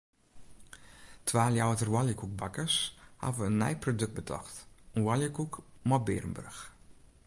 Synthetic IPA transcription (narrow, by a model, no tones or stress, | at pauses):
tʰʋaːljawtərwɔljəkuk̚bakəsha̰vəənːɛ̰jprodɵk̚bətʰɔ̰xtənwɔljəkukmɔbɪːrmbø̰rx